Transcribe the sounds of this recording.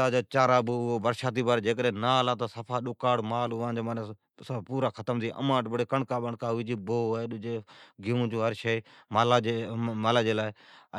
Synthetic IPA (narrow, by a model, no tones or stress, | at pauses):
aːd͡ʒaːt͡ʃaːɾaːbʊoːʋəɾʃaːt̪iːbaːɾeːd͡ʒeːkəɗẽːnaːlaːt̪oːsəpʰaːɗʊːkaːɽmaːlʊːãːnd͡ʒeːməne | spuːɾaːkʰət̪əmt̪iːʔə̰mãːʈbəɽeːkəɳkaːɓəɳkaːɦʊiːd͡ʒiːboːeːɗd͡ʒeːɡiːũːd͡ʒũːɦəɾʃeːmaːlaːd͡ʒemaːlaːd͡ʒeːlaːe